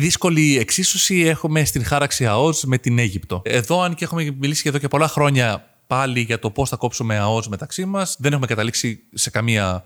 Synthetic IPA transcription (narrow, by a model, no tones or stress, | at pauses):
ðisko̞lie̞ksisosie̞xume̞st̪iŋxɐɾɐksiɐo̞zme̞t̪ine̞ʝipt̪o̞e̞ðo̞ɐnceexumemilisi̥ʝɐðocepo̞lɐxɾo̞ɲɐ | pɐliʝɐt̪o̞po̞sθɐko̞psume̞ɐo̞zme̞t̪ɐksimɐsðene̞xumekɐt̪ɐliksise̞kɐmiɐ